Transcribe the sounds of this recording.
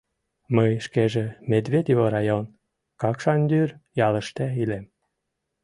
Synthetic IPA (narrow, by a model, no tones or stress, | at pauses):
məjʃkeʒemed̪βʲed̪ʲivoɾɑjon | kɑkʃɑnd̪yrjɑlə̆ʃt̪eilem